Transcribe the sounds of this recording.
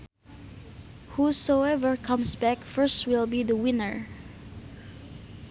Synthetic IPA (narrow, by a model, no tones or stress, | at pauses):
husoɛvə˞kʰʌ̃msbɛkfɜ˞st̚wɪlˠbiðəwɪ̃nəɹ